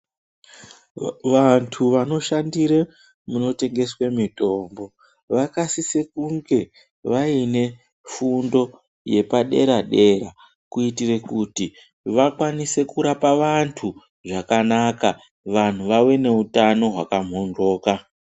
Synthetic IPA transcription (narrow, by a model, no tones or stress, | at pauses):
ʋantʰuʋano̞ʃandiɾe | muno̞te̞ŋɡe̞swemito̞mbo̞ | ʋakasisekuŋɡe̞ | ʋaine̞ | fundo̞ | je̞paɗe̞̰ɾaɗe̞ɾa | kuitire̞kuti | ʋakwanise̞kuɾapaʋantʰu | ʐakanaka | ʋan̤uʋawe̞ne̞utano̞ɦwakam̤ɦo̞ndo̞ːka